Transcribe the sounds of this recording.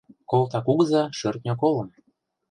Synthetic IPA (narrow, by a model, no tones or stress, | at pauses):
kolt̪ɑkuɣəzɑʃø̆rt̪̚nʲok̬olɤ̆m